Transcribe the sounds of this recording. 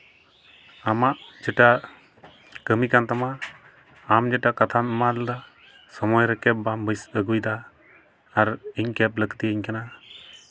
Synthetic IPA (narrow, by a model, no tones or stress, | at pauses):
amaʔd͡ʒɛʈa | kəmikant̪amaː | md͡ʒɛʈakat̪ʰanmald̪ɔ | sɔmɔjɾɛkɛp̚bambəjsəɡujd̪aː | ɾiɲkɛp̚ləkt̪iiɲkana